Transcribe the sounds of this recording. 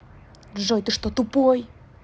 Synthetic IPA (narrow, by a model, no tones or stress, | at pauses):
ʒojt̪ɨʃt̪ot̪upoj